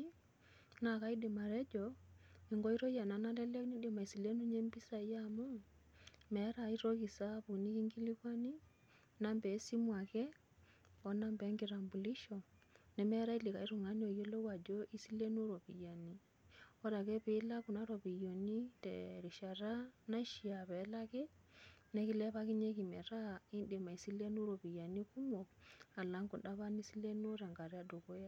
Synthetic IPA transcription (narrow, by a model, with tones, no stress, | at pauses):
na˨ka˨˦i˦dɪ˨ma˨ɾɛ˦d͡ʒɔ˨i˨ŋɡɔ˦i˦ɾɔ˦ja˨na˨na˦lɛ˦lɛ˦ni˦di˨ma˨i˨si˨le˦nu˦ɲɛ˦mbi˦sa˨˦ja˦mɔ˦ | mɛ˨˦ɾa˨i˦ɾɔ˦ɣi˨sa˦pu˨ni˦ki˦ŋɡi˦li˦kwa˦ni˦ | na˦mbɛ˨˦si˦mwa˨kɛ˦ | ɔ˨˦na˦mbɛ˨˦ŋɡi˦ɾa˨mbu˨li˦ʃɔ˨nɛ˨mɛ˦ɾa˦i˦li˨ka˨i˦ɾu˨ŋa˨˦ni˦o˨jo˦le˦wa˨d͡ʒo˦ʔi˦si˦le˦nu˦ɾo˨pḭ˨ja˨ni˦ | o˦ɾa˨kɛ˦pi˦la˦ku˨na˦ɾo˨pi˨jo˨ni˦tḛ˨ɾi˨ʃa˨ɾa˦na˦ʃi˨ja˨βe˨˦la˦kɛ˦ne˦ki˦lɛ˦βa˦ki˦ɲe˦ki˨mɛ̰˨ɾa˦˨i˦nde˨ma˨i˨si˦le˦nu˦ɾo˨pi˨ja˨ni˦ku˦mo˨a˨la˦ŋɡu˨nda˦βa˦ni˦si˦le˦nu˦ɾa˨ŋɡa˨ɾi˦a˦do˨ko˦ja˦